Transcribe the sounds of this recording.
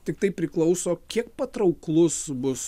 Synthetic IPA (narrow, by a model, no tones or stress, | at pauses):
t̪ʲɪk̚t̪ɐɪpʲɾʲɪklˠɐʊsoːkʲiɛk̚pɐt̪ɾɐʊklˠʊsbʊs